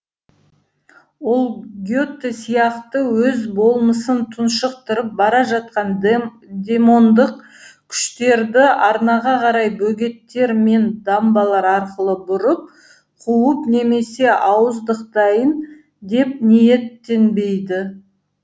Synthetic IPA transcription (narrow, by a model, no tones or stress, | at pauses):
wo̞lˠɡʲo̞t̪ːesijɑqt̪əwɵzbo̞lˠməsənt̪ʰʊnʃəq̚t̪əɾəp̚bɑɾɑʒɑt̪̚qɑn | d̪ʲe̞mo̞nd̪əq̚ | kʲʰʏ̥ʃt̪e̞ɾd̪ɪɑɾnɑʁɑqʰɑɾɑjbɵɡʲe̞t̪ːe̞ɾme̞nd̪ɑmbɑlˠɑɾɑɾqəlˠəbʊɾəp̚ | qʰuəpne̞me̞se̞ʔɑwəzd̪əq̚t̪ɑjən | d̪e̞p̚nije̞t̪ːe̞nbe̞jd̪ɪ